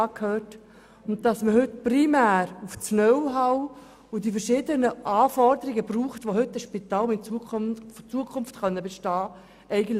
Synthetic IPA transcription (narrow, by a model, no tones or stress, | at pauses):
kʰhøːt | ʊnt̚d̥ɑsməhʏtprimæːɾuft͡snœwɦaw | ʊdifəɾʃɪːdənəʔɑːfɔɾdəɾiɡəbruːχtʋohʏtːəʃpitɑːlʊmɪnut͡suəkʰʊnftχœnːəbeʃtɑː | ʔɛɪɡənt